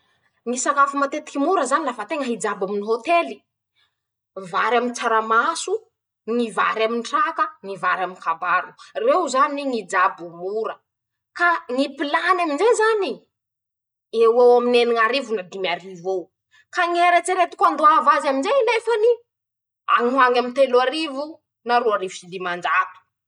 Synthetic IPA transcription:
ŋisakafumat̪et̪i̥kimuɾəzanilafat̪eŋəɦid͡zabaminiɦot̪eli̥ | vaɾamint͡saɾamasu | ŋiva̰ɾaminʈ͡ʂakəŋiva̰ɾaminkabaɾurewzaniŋid͡zabumuɾə | kanipilanaminzezani | ewewamineniŋaɾivunad̪imiaɾivo | kaŋeɾat͡siɾet̪i̥kʲand̪oavazaminzenefəni | a̰ŋuaŋamint̪eluaɾivu | naɾuaɾivusid̪imand͡ʒat̪u̥

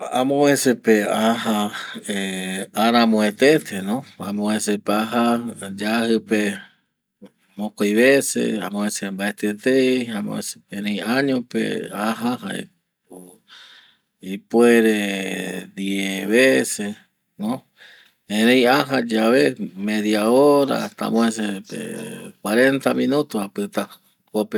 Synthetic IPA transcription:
ãmõesepeahaeaɾãmõet̪et̪ʰenõamõesepaɦad͡ʒahɨpe | mõkojβesḛa̰mõẽsembaet̪et̪ejãmõ̰ʔḛ̃sepẽɾẽjaɲõpḛaɦahaḛ | ipweɾe | d̪ieβese | no | ẽɾẽjaɦad͡ʒaβemẽðjaoɾa̰t̪a̰mões̬epḛkwaɾent̪amĩnut̪ohapɨt̪a | kope

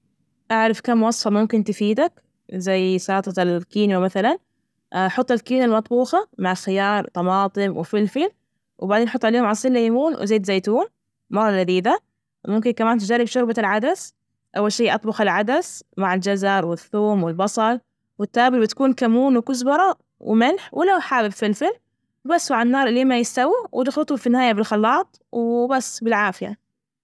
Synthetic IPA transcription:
ʔaʕɾɪfkamːwɑsˤfɑmʊmkɪnt̪ɪfiːd̪ak | zajːsɑːt̪ˤɑlkiːnwamaθalan | ħʊt̪ˤːɪlkiːnalmɑt̪ˤbuːxɑmaʕalxɪjɑːɾˤt̪ɑmɑːt̪ˤɨmwɪ̰fɪlfil | wbaʕdeːnħʊt̪ːˤʕaleːhʊmʕɑsˤiːlːajmuːnwʔɪ̰zeːd̪zaːt̪uːn | mɑrˤːɑlad̪iːd̪a | mʊmkɪnkamaːnt̪d͡ʒarːɪbʃʊɾbalʕad̪as | ʔawːalʃiːʔɑt̪ˤbʊxɪlʕad̪asmaʕɪld͡ʒazɑɾˤwɪθːuːmwɪlbɑsˤɑl | wɪt̪ːaːbɪlbɪt̪ḁkuːnkamuːnwɪkʊzbɑɾˤɑ | wɪ̰mɪlħwʔɪlːawħaːbɪbfɪlfɪl | basːmaʕanːɑːɾˤʔɪleːmajɪst̪awiwɪd̪ɪxlɨt̪ˤʊfinːɪhaːjabɪlxɑlːɑːt̪ˤwbasːbɪlʕaːfɪja̰

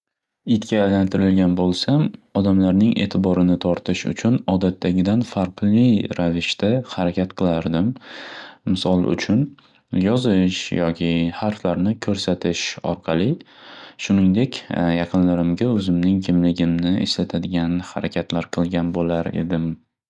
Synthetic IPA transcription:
ɪt̪kʲaːjlant̪ʰɪɾɪlɡʲanbolˠsamɒd̪amlaɾnɪŋʔe̞̰ːt̪ʰɪbɒɾɪnɪt̪ʰɒɾt̪ʰɪʃʊ̰t͡ʃʰʊnɒd̪at̪ʰːaɡʲɪd̪anfaɾqlˠɪɾavɪʃt̪ahaɾakʲʰat̪qʰɨlˠaɾd̪ɪm | mɪsɒlˠʊ̰t͡ʃʰʊn | jɒzɪʃjɒkʲʰɪhaɾflaɾnɪkʰɵɾsat̪ʰɪʃɒ̰ɾqʰɑlˠɪʃʊnɪŋd̪e̞kʲjɑqʰɨnlaɾɪmɡʲaɵzɪmnɪŋkʲʰɪmlɪɡʲɪmnɪʔɪ̰ʃlat̪ʰad̪ɪɡʲanhaɾakʲʰat̪ʰlaɾqʰɨlˠɡʲanbolaɾe̞̰d̪ɪm

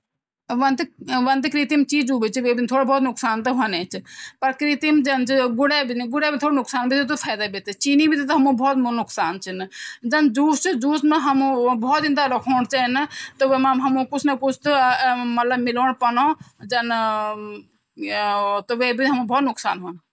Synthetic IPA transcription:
ʋɐnd̪ʋɐnd̪kɾit̪imt͡ʃiːd͡ʒuːʋit͡ʃʋeːbɪnt̪ʰoːɽabʱɔːt̪nʊksaːnt̪ɐɦonẽːt͡ʃpɐɾkɾit̪imd͡ʒɐnt͡ʃɡʊɽeːbɪnɡʊɽebɪnt̪ʰoːɽonʊksaːnbʱit̪it̪ofʰaːd̪abit̪et͡ʃiːnibit̪it̪ɦɐmũbɔːt̪mnʊksaːnt͡ʃɪnd͡ʒɐnd͡ʒuːst͡ʃd͡ʒuːsmẽɦɐmũbɔːt̪ɪ̃nd̪alɐkʰoːɽt͡ʃant̪oʋeaɦɐmũkʊt͡ʃʰnɐkʊt͡ʃʰt̪mɐt̪ləbmɪloːɽpɐnõːd͡ʒɐn | t̪oʋeːbinɦɐmũbɔːt̪nʊksa̰ːnɦon

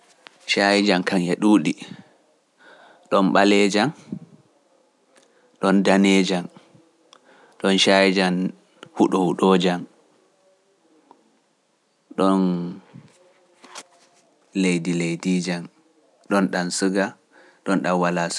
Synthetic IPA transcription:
ʃajid͡ʒankʰaŋɛɗuːɗi | ɗɔnɓalɛːd͡ʒan | ɗɔndanɛːd͡ʒan | ɗɔnʃajid͡ʒan | huɗɔhuɗɔːd͡ʒan | ɗɔn | lejdilejdiːd͡ʒan | ɗɔnɗansɨɡa | ɗɔnɗanwalas

